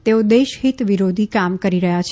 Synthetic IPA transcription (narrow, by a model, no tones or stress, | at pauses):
t̪eod̪eʃɦit̪ʋiɾod̪ʱikamkəɾiɾəɦjat͡ʃʰ